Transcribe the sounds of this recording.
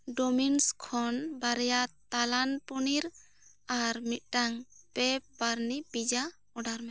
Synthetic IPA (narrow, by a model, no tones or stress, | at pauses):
ɖɔminskʰɔnbaɾɛjat̪alanpuniɾ | aɾmit̪̚ʈaŋpɛp̚baɾnipid͡ʒa | ɔɖaɾmɛ